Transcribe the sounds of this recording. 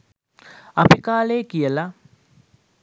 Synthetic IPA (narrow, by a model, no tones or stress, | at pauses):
apikaːleːkijəla